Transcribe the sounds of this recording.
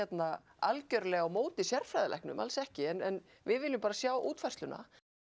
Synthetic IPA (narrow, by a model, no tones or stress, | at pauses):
ɛt̪na | alcœɾlɛːɣawmoːwt̪ɪsjɛrfɾajðʏlɛ̰hknʏ̰mʔa̰lsɛhcɪɛnɛn | vɪðvɪːlːʏmpaːɾasjaːwʔuːt̪faj̥rslʏna̰